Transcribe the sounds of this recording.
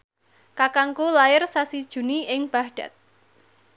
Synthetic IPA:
kakaŋkulaɪrsasid̥ʒ̥ṳniɪŋb̥ahɖ̥a̤̰t̪̚

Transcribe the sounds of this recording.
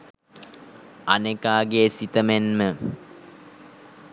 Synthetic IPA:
anekaːɡeːsit̪əmenmə

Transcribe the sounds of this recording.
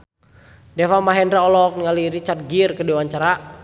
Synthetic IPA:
dɛfamaɦɛndɾaɔlɔk̚nŋaliɾit͡ʃat̪̚ɡirkədiwaɲt͡ʃaɾa

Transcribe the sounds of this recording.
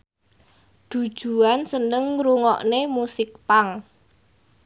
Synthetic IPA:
d̪̥ṳ̥ʒ̥ṳansənəŋɾuŋɔ̰ʔnemusɪk̚paŋ

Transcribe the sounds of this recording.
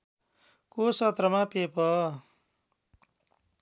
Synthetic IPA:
kosʌt̪rʌmapepʌ

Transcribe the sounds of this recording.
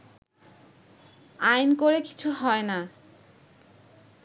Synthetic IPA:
ajnkoɾeki̥t͡ɕʰuɦɔena

